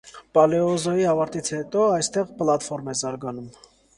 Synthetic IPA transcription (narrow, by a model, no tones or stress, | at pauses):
pɑlɛɔzɔjiɑvɑɾt̪it͡sʰhɛt̪ɔɑjst̪ɛʁpəlɑt̪fɔɾmɛzɑɾɡɑnum